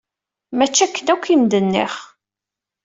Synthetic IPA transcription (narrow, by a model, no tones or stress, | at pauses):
mæt͡ʃːækːənækʷːimd̪ənːḭχ